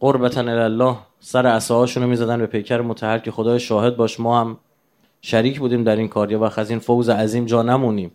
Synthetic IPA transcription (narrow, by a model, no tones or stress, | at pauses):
ɢoɾbæt̪ʰænelælːɒːh | sæɾeæsɒːɒːʃuːnomiːzæd̪ænbepʰe̞jcʰæɾemot̪ʰæhælcʰe̞xod̪ɒːjʃɒːɦe̞d̪̚bɒːʃmɒːhæm | ʃæɾiːcʰbuːd̪iːmd̪æɾiːnkʰɒːɾjɒːvæxæziːnfowzeæziːmd͡ʒɒːnæmuːniːm